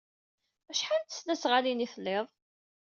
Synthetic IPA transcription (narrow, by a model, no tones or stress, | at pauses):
æʃħant̪ə̥snæsʁalinifəlːeðˤ